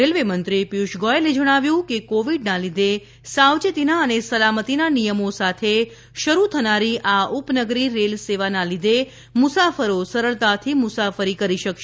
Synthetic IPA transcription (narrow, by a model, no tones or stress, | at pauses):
elʋemənt̪ɾipiuʃɡɔeled͡ʒəɽ̃aʋjũkekoʋiɖnalid̪e | sawd͡ʒət̪inaənesəlamət̪inanijəmosat̪ʰe | ʃəɾut̪ʰənaɾiʔaupnəɡɾiɾelseʋanalid̪e | mʊsafəɾosəɾəɭt̪at̪ʰimʊsafəɾikəɾiʃəkʃe